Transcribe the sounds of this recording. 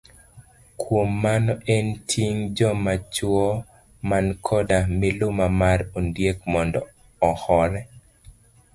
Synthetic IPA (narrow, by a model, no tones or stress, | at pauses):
kʰwomːanɔʔɛntʰiŋd͡ʒɔmat͡ʃwɔ | mankʰɔdamɪlʊmamarondjekmɔndɔ | ɔhɔɾɛ